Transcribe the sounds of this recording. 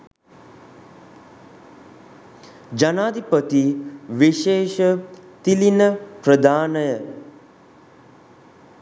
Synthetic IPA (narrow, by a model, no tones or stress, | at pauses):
d͡ʒanaːd̪ʱipət̪iʋiʃeːʃət̪ilinəpɾəd̪ʱaːnəjə